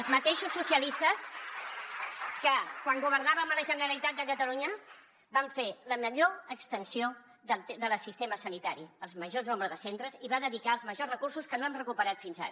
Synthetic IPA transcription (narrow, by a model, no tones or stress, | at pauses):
əlˠzmət̪eʃusːusiəlist̪əs | kəkwaŋɡuβ̞əɾnaβəmələʒənəɾəlit̪at̪̚d̪əkət̪əluɲə | baɱfeləməʎoəkst̪ənsio | ðəðələsist̪eməsənit̪aɾiəlˠzməʒoznomɾəðəsent̪ɾəziβaðəðikaəlˠzməʒorəkursuskənoamrəkupəɾat̪finza̰ɾ